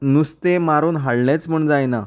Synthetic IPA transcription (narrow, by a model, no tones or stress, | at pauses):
nust̪emaɾuːnɦaɭɳjet͡sm̤əɳd͡zajna